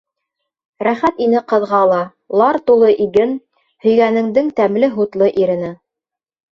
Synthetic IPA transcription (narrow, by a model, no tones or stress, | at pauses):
ɾæχæt̪inɘqɤ̆ðʁɑlˠɑ | lˠɑɾt̪ulˠɤʔiɡɘn | hɵ̆jɡænɘ̆ŋd̪ɘŋt̪æmlɘɦut̪lˠɤʔiɾɘ̆nɘ